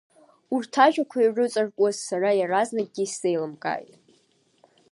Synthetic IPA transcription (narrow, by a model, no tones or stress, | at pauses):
urtʰaʒᶣakʷʰairɨt͡sʼɨrkʼazsaɾajaraznaɡ̚ɡʲisejlɨmkʼa̰jtʼ